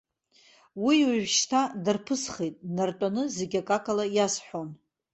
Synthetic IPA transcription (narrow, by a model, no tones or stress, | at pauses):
wiwaʒʷᶣʃtʰadarpʰɨsχejtʼnartʷʼanɨzeɡʲakʼakʼalajasħʷon